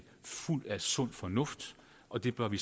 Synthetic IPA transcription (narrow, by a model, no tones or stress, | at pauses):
ful̰d̥æsɔ̽n̰̥fɒ̽nɔ̽fd̥ | ʔɒ̽d̥e̝b̥ɶɐʋi